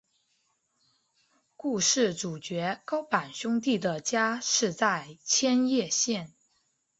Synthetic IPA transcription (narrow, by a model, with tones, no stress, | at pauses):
ku˥˧ʂɻ̩˥˩ʈ͡ʂu˨˩t͡ɕɥɛ˧˥kɑ˥ʊpa˨˩nɕʊ˥ŋt̪̬i˥˩d̪ə˩t͡ɕja˥ʂɻ̩˥˧t͡sa˥˩ɪt͡ɕʰjɛ˥njɛ˥˧ɕjɛ˥˩n